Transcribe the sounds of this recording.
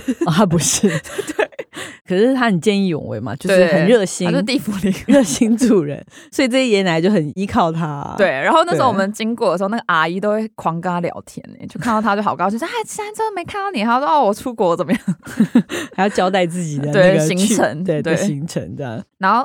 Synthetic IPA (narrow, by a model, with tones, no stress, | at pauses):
ɔ˧˩a˥pu˧˥ʂɻ̩˥˩t̪we˥˩ɪkʰɤ˨˩ʂɻ̩˥˩t̪ʰa˥xə˨˩nt͡ɕjɛ˥˧ni˥˩jʊ̰˨˩ŋwḛ˧˥ɪmɐ̰˨˩t͡ɕjo˥˧ʊtwʂe˥˧˥xə˨nɻɤ˥˩ɕi˥t͡ɕŋo˥˧˥i˥˩fu˧˥li˧˩ŋɻɤ˥˩ɕi˥ŋʈ͡ʂu˥˩ɻə̰˧˦nswɔ˧˥i˨˩ʈ͡ʂɤ˥˩ɛ˥jɛ˧˥nla˧˥ɪt͡ɕjo˥˩ʊxə˨˩ni˥kʰɑ˥˩ʊt̪ʰa̰˥we˥˩ɪɻa˧˥nxo˥˧na˥˩ʂ̩˥˧˩wɔ˨˩ə˦nt͡ɕi˥ŋkwɔ˥˩d̪ə˩ʂ̩˧˥˧na˥˩əəʔa˨˩i˥t̪o˥ʊxwe˥˩ɪkʰwɑ˧˥ŋka˥ljɑ̰˨˩ʊt̪ʰjɛ̰˧˥˦n̰˨˩˦t͡ɕjo˥˧ʊkʰnt̪ɑ˥˩t̪ʰa˥t͡ɕo˥˩ɑ˨˩kɑ˥ɕĩ˥˧˩a˥˩ɪt͡ɕʰi˧˥t̪a˧˥ʈ͡ʂə˥˩ə˧me˧˥kʰa˥˩nt̪ɑ˥˩ni˨˩˨ɑ˥˧˩wɔ˥˩wɔ˨˩ʈ͡ʂʰu˥kwɔ˧˥t͡sə˨˩nmə˦jɑ˥˩ŋ | ha˨˥ɪjɑ˥˩ʊt͡ɕjɑ˥ʊt̪a˥˧ɪt͡sɹ̩˥˩t͡ɕi˨˩d̪ə˦we˥˩˥ɡə˩i˧˥ŋʈ͡ʂʰə̰˧˥nwe˥˧ɪt̪we˥˩ɕi˧˥˦ŋʈ͡ʂʰə̰˧˥ŋt͡sɑ̰˥˩ŋna˧˥nxo˥˧ʊ